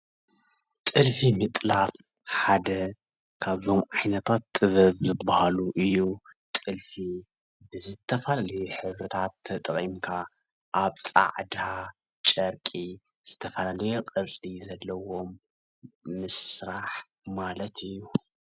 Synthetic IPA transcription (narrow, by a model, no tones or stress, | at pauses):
t̪ʼɨlfimɨt̪ʼlaf | ħad̪ɐ | kʰaβzo̞mʕajnɐt̪ʰat̪ːʼɨβɐβzɨbːahaluʔɨjːut̪ʼɨlfi | bɨzɨt̪ʰːɐfɐlalɐjuħɨβɾɨt̪ʰat̪ʰːɐt̪ʼɨχʼimkʰa | ʔaβt͡sʼa̰ʕd̪a | t͡ʃʼɐɾkʼi | z̥ɨt̪ʰɐfɐlalɐjuqʼɐt͡sʼlizɐlːɐwo̞mː | ɨsɾaħ | malɐt̪ʰɨjːu